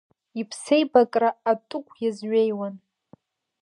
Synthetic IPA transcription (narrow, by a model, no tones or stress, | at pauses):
ipʰse̞jbakʼraːtʼʊkʷʰjazɥejwan